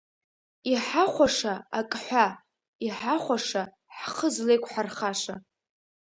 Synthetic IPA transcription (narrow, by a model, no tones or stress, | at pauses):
iħaχʷaʂaakʼħʷa | iħaχʷaʂa | ħχəzle̞jkʷʰħarχaʂa